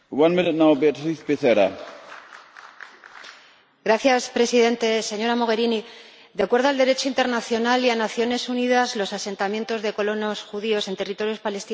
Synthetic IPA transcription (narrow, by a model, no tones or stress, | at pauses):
wãnmɪ̃nɨt̚nawbiatɾiθpiθeɾa̰ | ɡɾaθjaspɾe̞siðe̞nt̪e̞se̞ɲo̞ɾamo̞ɣ̞e̞ɾini | d̪jakwe̞ɾðoald̪e̞ɾe̞t͡ʃo̞int̪e̞ɾnaθjo̞nalianaθjo̞ne̞suniðazlo̞sase̞nt̪amjẽ̞nt̪o̞zðe̞ko̞lo̞no̞sxuð̞io̞se̞nt̪erit̪o̞ɾjo̞spale̞st̪i